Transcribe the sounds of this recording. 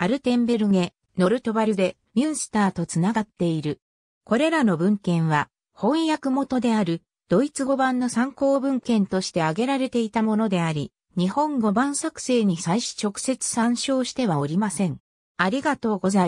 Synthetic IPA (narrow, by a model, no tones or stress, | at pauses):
aɾɯ̟t̪ẽ̞mbe̞ɾɯ̟ŋe̞ | no̞ɾɯ̟t̪o̞baɾʲɯ̟d̪e̞ | mʲjɯ̃ɰ̃sɨ̥t̪aːt̪o̞t͡sɨnaɡat̪ːe̞iɾɯ̟ | ko̞ɾe̞ɾano̞bɯ̟̃ŋkẽ̞ɰ̃βa | hõ̞ɰjakɯ̟mo̞t̪o̞d̪e̞aɾɯ̟ | d̪̥o̞it͡sɨɡo̞bãnːo̞sãŋko̞ːbɯ̟̃ŋkẽ̞nt̪o̞ɕi̥t̪e̞aɡe̞ɾaɾe̞t̪e̞it̪amo̞nod̪e̞aɾʲi | ɲ̟ihõ̞ŋɡo̞bãɰ̃sakɯ̟̥se̞ːɲ̟isaiɕi̥t͡ɕo̞kɯ̥se̞t͡sɨ̥sãɰ̃ɕo̞ːɕi̥t̪e̞βao̞ɾʲimasẽ̞ŋ | aɾʲiɡat̪o̞ːɡo̞za